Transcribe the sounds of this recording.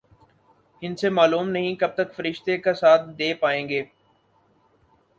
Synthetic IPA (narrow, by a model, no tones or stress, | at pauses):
ɦɪnsemaːluːmnəɦĩkəb̚t̪əkfəɾɪʃt̪ekasaːt̪ʰd̪eːpaːẽːŋɡeː